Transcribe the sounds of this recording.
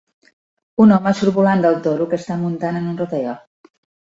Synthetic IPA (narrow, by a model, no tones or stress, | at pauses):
unɔməsuɾβuland̪əlˠt̪oɾukəst̪amunt̪anənunrot̪əʎɔ